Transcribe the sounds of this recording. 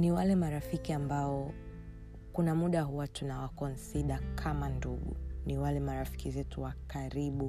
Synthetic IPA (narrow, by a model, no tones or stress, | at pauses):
niwalɛmaɾafikiambaɔ | kunamuɗaɦuwatunawakɔnsiɗakʰamanduɡṵniwalɛmaɾafi̥kizɛtuwakaɾiɓu